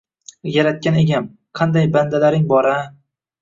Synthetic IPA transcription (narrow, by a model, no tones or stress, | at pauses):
jaɾat̪̚kʲaneɡʲam | qʰɑnd̪ajband̪alaɾɪŋbɒɾa